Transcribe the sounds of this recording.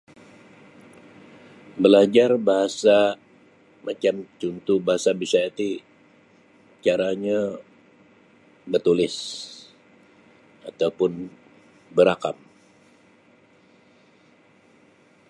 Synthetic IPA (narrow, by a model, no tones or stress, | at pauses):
bəlad͡ʒarbaɦasa | mat͡ʃamt͡ʃunt̪ubaɦasabisaat̪i | t͡ʃaɾaɲa | bərt̪ulɪs | at̪aupʊn | bəɾakam